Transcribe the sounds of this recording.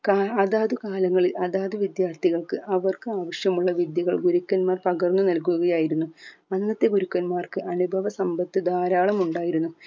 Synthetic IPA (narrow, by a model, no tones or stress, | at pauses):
kaɐðaːðɨkaːlɐŋːɐɭilʔɐðaːðɨʋid̪jaːrt̪ʰiɣɐɭkɨʔɐʋɐrkɨaːʋɐɕjɐmuɭːɐʋid̪jiɣɐɭɡuɾukːɐnmaːrpɐɣɐrnːunɐlkuɣɐjaːjiɾunːuɐnːɐt̪ːe̞ɡuɾukːɐnmaːrkɨʔɐnubʱɐʋɐsɐmbɐt̪ːɨd̪aːɾaːɭɐmuɳɖaːjiɾunːu